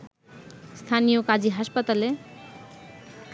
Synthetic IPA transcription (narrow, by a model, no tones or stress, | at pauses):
st̪ʰanijokad͡ʑiɦaʃpat̪ale